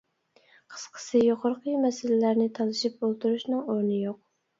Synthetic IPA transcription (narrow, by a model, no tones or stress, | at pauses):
qʰə̥sqʰə̥sɨjoqʰʊɾqʰəmɛsɪlɪlæɾnɪt̪ʰɑlˠɨʃip̚olˠt̪uɾuʃnɨŋoɾnɨjoq̚